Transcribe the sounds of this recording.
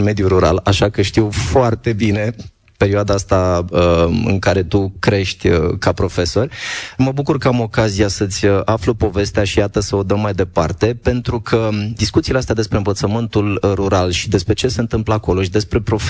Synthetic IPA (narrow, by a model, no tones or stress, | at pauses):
nme̞d̪juɾuɾa̰laʃakəʃt̪iwfoart̪e̞bine̞ | pe̞ɾioad̪aast̪aəɨ̰ŋkaɾe̞t̪ukɾe̞ʃt̪ʲəkapɾo̞fe̞so̞rʲməbukurkəamo̞kazijasət̪sʲəʔafləpo̞ve̞st̪eaʃijat̪əsəo̞d̪əmːajd̪e̞part̪e̞pe̞nt̪ɾukʰəd̪iskut̪sileast̪ead̪espɾe̞ɨnvət̪səmɨnt̪ulruɾalʃid̪e̞spɾe̞t͡ʃe̞se̞ɨnt̪ɨmpləako̞lo̞ʃid̪e̞spɾe̞pɾo̞f